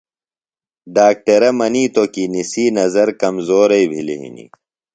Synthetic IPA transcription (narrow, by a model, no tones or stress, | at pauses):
ɖaːk̚ʈɐɾɐmɐniːt̪okinisiːnɐzɐɾkɐmzoːɾɐibʱilḭɦḭnḭ